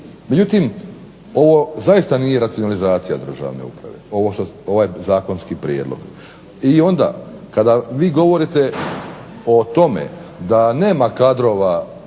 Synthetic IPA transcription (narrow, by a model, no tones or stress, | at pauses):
med͡ʑut̪im | o̞ʋo̞zajist̪anijeɾat̪sionalizaːt̪sija̰d̪ɾr̩ʒa̰ʋnḛṵpɾa̰ʋḛo̞ʋoʃt̪oo̞ʋajzaːko̞nskipɾjed̪lˠo̰ɡ | io̞nd̪a̰kad̪aʋiːɡo̞ʋo̞ɾit̪e̞ | ot̪o̞mḛd̪ane̞ːmakad̪ɾo̞ʋa